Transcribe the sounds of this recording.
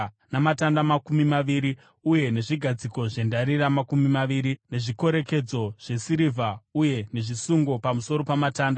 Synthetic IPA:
namatandamakumimaʋiɾi | uje̞ne̞ʐiɡʱad͡ziko̞ʐe̞ndaɾiramakumimaʋiːɾine̞ʐiko̞ɾe̞ke̞d͡zo̞ʐ̥e̞siɾivʱauje̞ne̞ʐisuŋɡo̞pamuso̞ɾo̞pamataːnda

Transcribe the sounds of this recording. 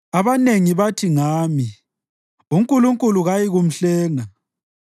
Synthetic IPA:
aβaneŋiβatʰiŋaːmi | uŋkʼuluŋkʼuluɣajiɣum̩ɬɛːŋa

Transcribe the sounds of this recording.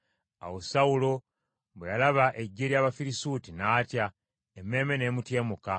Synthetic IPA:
a̰wosaulo̞ | βwejalaβaʔeɟːeɾjaːβafiɾisutinaːtja | emːe̞ːme̞ne̞ːmutje̞ːmuka

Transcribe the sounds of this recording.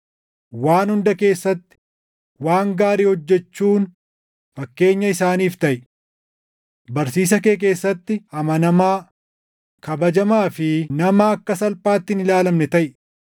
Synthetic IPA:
waːnhʊnd̪ɐke̞ːsːɐt̪ːɪ̥ | waːŋɡaːɾiːhɔd͡ʒːɛt͡ʃːuːn | fɐkːe̞ːɲːɐɪsaːniːft̪ɐʔɪ | bɐɾsiːs̬ɐkeːk̬e̞ːsːɐt̪ːɪhɐmɐnɐmaː | kɐbɐd͡ʒɐmaːfɪnɐmɐːkːɐsɐlpʼaːt̪ːɪnɪlaːlɐmnɛt̪ɐʔɪ

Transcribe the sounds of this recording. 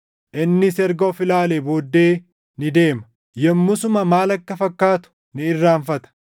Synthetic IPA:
ʔɪnːɪsɛɾɡoːfɪlaːleːbo̞ːd̪ːe̞ː | nɪd̪e̞ːmɐ | jɛmːʊsʊmɐmaːlɐkːɐfɐkːaːt̪ʊ̥ | nɪɪrːaːɱfɐt̪ɐ̥

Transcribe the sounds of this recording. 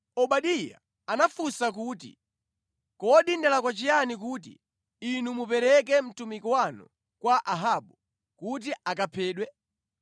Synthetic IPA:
ɔɓaɗija̰ | anafusakuːtḭ | kɔɗindɛlakwat͡ʃijanikuːt̬ḭː | numupɛɾɛk̬ɛm̩tumikwanṵ | kwaʔaɦaɓu | kut̬iakapʰɛːɗwɛ

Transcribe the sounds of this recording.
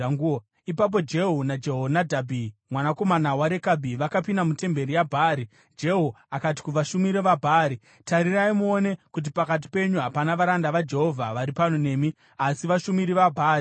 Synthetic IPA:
ipap̬o̞d͡ʒe̞ɦunad͡ʒeɦonadʱabʱimwanako̞manawaɾe̞kabʱiʋakapindamute̞mbe̞ɾijabʱaːɾi | d͡ʒe̞ɦu | akat̬i̥kuʋaʃumiɾeʋabʱaɾi | taɾiraimuone̞kut̬ipakat̬i̥pe̞ɲuɦapanaʋaɾandaʋad͡ʒe̞ɦo̞vʱaʋaɾipano̞ne̞ːmi | asiʋaʃumiɾiʋabʱaːri

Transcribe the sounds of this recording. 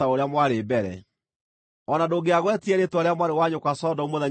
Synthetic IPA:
aoɾeamwaɾebɛɾɛ̰ | ɔnadoɡeaɣwɛtiɛɾetwɔɾeamwaɾewaɲokwasɔdɔumoða

